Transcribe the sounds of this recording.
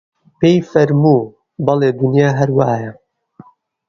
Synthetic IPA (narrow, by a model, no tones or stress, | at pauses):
pejfɐɾmuː | bɐleːd̪ʊnjaːɦɐɾwaːjɐ